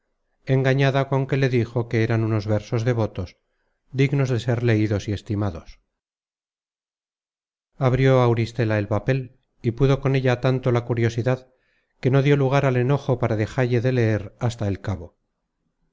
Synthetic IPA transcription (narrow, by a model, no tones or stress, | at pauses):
e̞ŋɡaɲaðako̞ŋke̞le̞ðixo̞ke̞eɾanuno̞zβe̞ɾso̞zðe̞βo̞t̪o̞s | d̪iɣno̞zðe̞se̞ɾle̞iðo̞sie̞st̪imaðo̞s | aβɾjo̞awɾist̪e̞lae̞lpape̞l | ipuðo̞ko̞ne̞ʎat̪ant̪o̞lakuɾjosiðað | ke̞no̞ðjo̞luɣ̞aɾale̞no̞xo̞paɾaðe̞xaʎe̞ðe̞le̞eɾast̪ae̞lkaβo̞